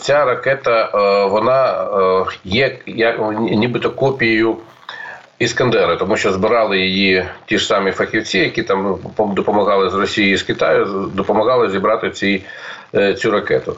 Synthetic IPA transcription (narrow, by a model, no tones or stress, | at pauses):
t͡sʲaɾɐkɛt̪ɐʋɔnɑ | jɛjɐnʲibɪt̪ɔkɔpʲijɪjʊ | iskɐnd̪ɛɾɪt̪ɔmuʃt͡ʃɔzbɪɾɑlˠɪjɪjitʲiʂsɑmifɐxʲiwt͡sʲijɐkʲit̪ɑmd̪ɔpɔmɐɣɑlˠɪzrɔsʲijijiskɪt̪ɑ̰jʊd̪ɔpɔmɐɣɑlˠɪzʲibɾɑt̪ɪt͡sʲi | t͡sʲuɾɐkɛ̰t̪ʊ